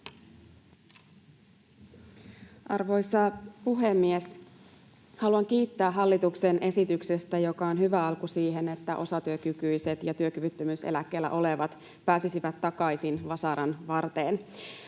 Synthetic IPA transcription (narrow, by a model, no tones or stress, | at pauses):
ʔɑrʋo̞jsɑpuɦe̞mːies | hɑluɑŋk̟iːt̪ːæːɦɑlːit̪uksenʔe̞sit̪yksest̪æjo̞kɑonɦyʋæɑlkusiːɦe̞ne̞t̪ːæʔo̞sɑt̪yøkykyjse̞t̪jɑt̪yøkyʋyt̪ːømysḛlækːe̞ːlːæ̰ʔo̞le̞ʋɑt̪ | pæːsisiʋæt̪ːɑkɑjsinʋɑsɑɾɑnʋɑrt̪eːn